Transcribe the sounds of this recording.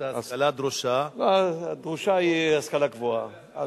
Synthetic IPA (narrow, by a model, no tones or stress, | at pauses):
alad̪ɾuʃaad̪ʁuʃaiaskalakvua